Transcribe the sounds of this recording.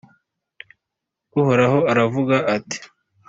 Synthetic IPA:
uhoɾaɦo̞aɾavuɡaʔːti̥

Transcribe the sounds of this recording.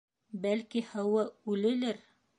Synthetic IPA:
bælkihæwɤʉlɘ̆lɘɾ

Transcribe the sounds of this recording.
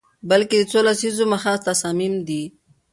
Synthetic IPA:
bəlked̪ət͡solasizoməxat̪asɑmimd̪i

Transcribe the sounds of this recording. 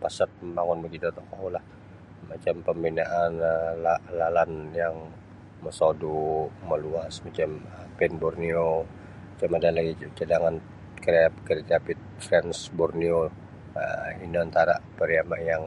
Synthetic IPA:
pasat̪̚əmbaŋʊnməd͡ʒ̪idɔt̪ɔkaulah | mat͡ʃampəmbinaʔanəlalalanjaŋ | məsoduməluasmat͡ʃaməpɛnburnio | mat͡ʃamadalaɡit͡ʃədaŋan | kɾap̚kəɾid͡ʒapɪt̪̚fɾɛnsburnio | əinoant̪aɾa̰pəɾiamaʔjaŋ

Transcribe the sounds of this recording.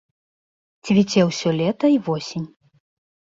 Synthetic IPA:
t͡sʲvʲit͡sʲɛwsʲɔlʲɛt̪ɐivɔsʲinʲ

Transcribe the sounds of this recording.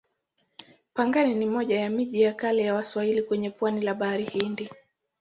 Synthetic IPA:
paŋɡaninimɔʄajamiʄijakalɛjawaswahilikwɛɲɛpwanilaɓaaɾihindi

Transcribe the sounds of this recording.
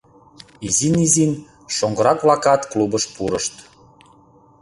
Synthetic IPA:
izinizin | ʃoŋɡɤ̆ɾɑkβlɑkɑt̪klubəʃpuɾəʃt̪

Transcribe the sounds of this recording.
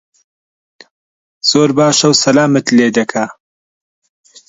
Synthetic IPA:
z̥oːɾbaːʃɐwsɐlaːmɨt̪leːd̪ɐkʰaː

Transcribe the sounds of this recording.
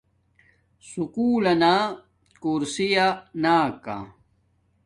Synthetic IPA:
sukuːlɐnaː | kuɾsijanaːka̰

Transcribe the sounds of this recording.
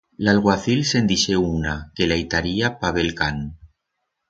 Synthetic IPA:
lalɣwaθilse̞nd̪iʃeunakelajt̪aɾiapaβelkan

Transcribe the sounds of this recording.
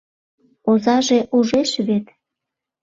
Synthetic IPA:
ozɑʒeʔuʒeʃβet̪

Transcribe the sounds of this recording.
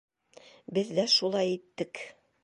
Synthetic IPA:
bɘðːæʃulˠɑjit̪ːɘk

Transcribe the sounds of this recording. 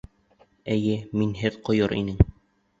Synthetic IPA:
æjɘminɦɘðqŏjɤɾḭnɘŋ

